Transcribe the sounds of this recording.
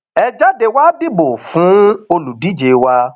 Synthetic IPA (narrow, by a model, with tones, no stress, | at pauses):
ɛ˧d͡ʒa˦de˧wa˦di˦bo˨fũ˨˦o˧lu˨di˨˦d͡ʒe˨wa˧